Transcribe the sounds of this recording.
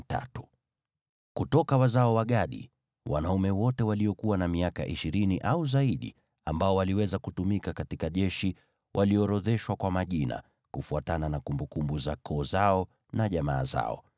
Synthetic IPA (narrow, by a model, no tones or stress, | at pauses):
ta̰tu̥ | kutɔkawazaɔwaɠaɗḭ | wa̰naumɛwɔtɛwaliɔkuwanamiaka̰ʔiʃiɾiniʔauzaiɗḭ | ambaɔwaliwɛzakutumikakatikaʄɛʃi | wʔaliɔɾɔðɛʃwakwamaʄina̰ | kufuatananakumbukumbuzakʰɔːzaɔ | naʄama̰ːza̰ɔ̰